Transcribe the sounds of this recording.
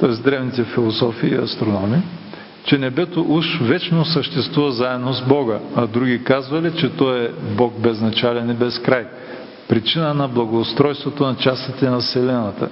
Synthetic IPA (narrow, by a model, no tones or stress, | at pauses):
t̪ɔɛzd̪ɾɛvnit̪ɛfilˠosɔfiːɐ̰st̪ɾonɔmi | t͡ʃɛnɛbɛt̪oʔuʃvɛt͡ʃnosəʃt̪ɛst̪vuvɐzaɛd̪nozbɔɡəɐd̪ɾuɡʲikazvɐlɛt͡ʃɛt̪ɔɛbɔk̚bɛznɐt͡ʃalɛnɛbɛskɾaj | pɾit͡ʃinənɐblˠɐɡoːst̪ɾɔjst̪vot̪onɐt͡ʃast̪it̪ɛnɐsɛlɛnɐt̪ə̰